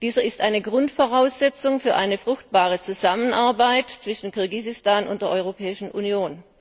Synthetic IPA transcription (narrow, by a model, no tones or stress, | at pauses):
d̥iːzɐɪstʔaɪnəɡʁʊntfoʁaʊsz̥ɛt͡sʊŋfyːɐʔaɪnəfʁ̥ʊxt̚b̥aːʁ̞ət͡suzamənʔaɐbaɪtt͡sv̥ɪʃn̩kʰʊɐɡizɪstaːnʊntd̥eːɐʔɔʏʁopʰɛːɪʃn̩ʔṵnjoːn